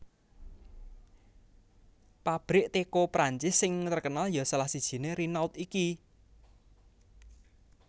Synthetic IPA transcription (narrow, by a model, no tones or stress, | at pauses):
pab̥ɾɪʔt̪ekopɾaɲt͡ʃɪsːɪŋt̪ərkənaljɔsalahsid̥ʒ̥i̤neɾinawt̪iki